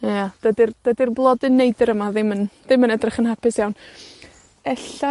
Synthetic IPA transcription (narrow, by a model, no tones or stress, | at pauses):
jad̥ədɪrd̥ədirblˠɔdɪnːejdəɾəmaðɪmənðɪmənɛdrɪχənɦapɪsjawn | ɛɬa